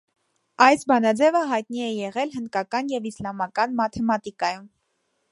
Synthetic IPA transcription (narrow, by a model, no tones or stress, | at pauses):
ɑjsbɑnɑd͡zɛvəɦɑjt̪niɛjɛʁɛlɦənd̪kɑkɑnjɛvislɑmɑkɑnmɑt̪ʰɛmɑt̪ikɑjum